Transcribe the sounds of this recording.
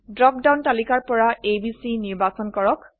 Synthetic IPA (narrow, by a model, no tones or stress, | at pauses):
dɹɔk̚dawntalikaɹpɔɹaebisiniɹbasɔnkɔɹɔk